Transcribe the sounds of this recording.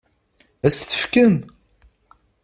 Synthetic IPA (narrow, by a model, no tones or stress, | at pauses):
æsθə̥fkən